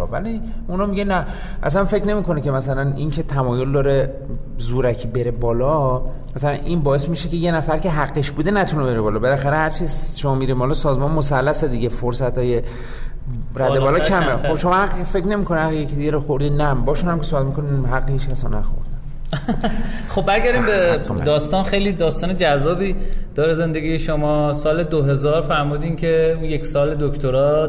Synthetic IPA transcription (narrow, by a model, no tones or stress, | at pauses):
væ̰liunɒːmiɟenæ | ʔæ̰s̬ænfe̞ckne̞miːko̞nece̞mæsælænincʰe̞t̪ʰæmɒːjo̞ld̪ɒːɾe | zuːɾæcʰibe̞ɾebɒːlɒ | mæsælænʔinbɒːe̞smiʃeceje̞næfæɾcʲʰe̞ɦæɡːeʃbuːd̪enæt̪ʰunebe̞ɾebɒːlɒːbe̞læxæɾehæɾt͡ʃʰiːzʃomɒːmiɾimhɒlɒsɒːzmɒnmosælːæsed̪iɟe̞foɾsæt̪ʰɒːje | ɾæd̪ebɒːlɒkʰæmexobʃo̞mɒhæɡfe̞cne̞mikʰonææjecʰid̪iɡæɾoxoɾd̪iːnæmbɒːʃunhæmkʲesobæt̪̚mikʰoniɦæɡːehit͡ʃkʰæsɒ̰næxo̰ɾd̪æ | xob̚ːæɾɡæɾiːmbḛd̪ɒːst̪ɒːnxejliːd̪ɒːst̪ɒːned͡ʒæzːɒːbiːd̪̥ɒːɾeze̞nd̪eɡiːjeʃomɒːsɒːle̞d̪oɦe̞zɒːɾfæɾmuːd̪iːmcʰeunjeksɒːle̞d̪okt̪ʰoɾɒː